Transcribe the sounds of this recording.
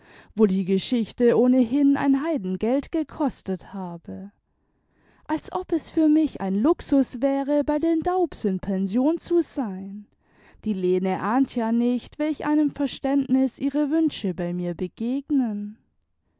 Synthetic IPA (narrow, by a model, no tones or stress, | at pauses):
voːdiːɡəʃɪçtəʔoːnəɦɪna̰ɪnɦaɪdn̩ɡɛltɡ̥əkʰɔstəthaːbə | ʔalsʔɔpɛsfyːɐmɪça̰ɪnlʊksʊsv̥ɛːʁəbaɪdeːndaʊpsɪnpʰɛnzjoːnt͡suzaɪn | d̥iːleːnəʔaːntʰjaːnɪçtv̥ɛlɪçʔa̰ɪnəmfɛɐʃtɛntnɪsʔiːʁəvʏnʃəbaɪmiːɐbəɡ̥eːɡnən